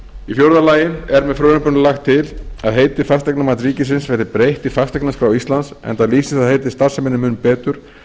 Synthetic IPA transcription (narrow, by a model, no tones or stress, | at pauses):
ifjowɾðalaːjɪnɛɾmɛðfɾœːnʏpʏnʏlaxt̪ʰːɪlaðɦeːjt̪ɪfast̪ɛknamaːt̪ɾiːcɪsɪnsvɛɾðɪpɾejht̪ifast̪ɛknaskɾawist̪lansɛ̰nt̪aliːsɪsaðheːjt̪ɪ̥st̪aɾ̥sɛmɪnːɪmʏnpɛːt̪ʏɾ̥